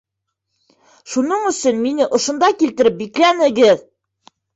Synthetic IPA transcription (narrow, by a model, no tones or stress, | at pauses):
ʃunɤɴɵ̆sɵnminɘʔŏʃŏnd̪ɑkilt̪ɘ̆ɾɘp̚biklænɘ̆ɡɘð